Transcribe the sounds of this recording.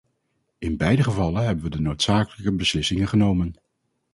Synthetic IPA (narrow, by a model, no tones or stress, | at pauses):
ɪnbɛjdəχəvɑlənɦɛbənʋədənowtsaːkələkəbəslɪsɪŋəχənowmən